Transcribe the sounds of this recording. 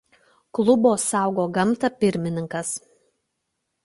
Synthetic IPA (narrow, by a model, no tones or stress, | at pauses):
klˠʊboːsɑˑʊɡoːɡɐmˑt̪ɐpʲɪɾʲmʲɪnʲɪŋkɐs